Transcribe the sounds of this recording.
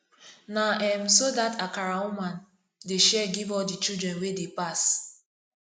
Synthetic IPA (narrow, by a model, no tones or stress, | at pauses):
naɛm̩sodatakaɹawumãn | deʃɛɡivɔdit͡ʃidɹɛ̃nwedepas